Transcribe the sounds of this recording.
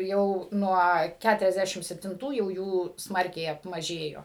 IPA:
ˈjɛʊ ˈnuɔ ˌkʲætʊrʲɛzʲˈdʲæʃʲɪm sʲɛpʲtʲɪnˈtuː jɛʊ ˈjuː ˈsmɐrʲkʲɛɪ ɐpmɐˈʒʲeːjoː

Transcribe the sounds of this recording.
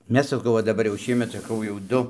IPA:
ˈmʲɛs sɐˈkɐʊ ʋɐ dɐˈbɐr jɛʊ ˈʃʲiɛmʲɛt sɐˈkɐʊ jɛʊ ˈdʊ

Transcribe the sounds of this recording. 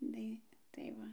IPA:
ˈdɐɪ tɐɪ ˈʋɐ

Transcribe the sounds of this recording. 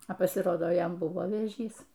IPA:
ɐ pɐsʲɪˈroːdoː ˈjɛm ˈbʊʋoː ʋʲeːˈʒʲiːs

